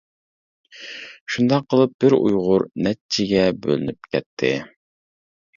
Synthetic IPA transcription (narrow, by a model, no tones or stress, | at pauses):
ʃund̪ɑqʰːəlˠɨp̚b̥ɪɾṵjʁʊɾnɛt͡ʃʰɪɡʲɛbø̰lɪnyp̚kʲʰɛt̪ʰːɪ